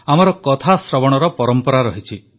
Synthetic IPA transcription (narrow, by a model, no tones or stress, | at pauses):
am̤ɔɾɔkɔt̪ʰasɾɔbɔɽ̃ɔɾɔpɔɾɔmpɔɾaɾɔɦit͡ʃʰi